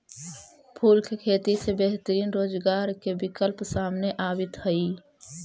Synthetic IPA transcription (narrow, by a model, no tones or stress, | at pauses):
pʰuːlkekʰeːt̪isebeɦt̪əɾiːnɾoːd͡ʒɡaːɾkebɪkəlpsaːmneʔaːbɪt̪ɦəiː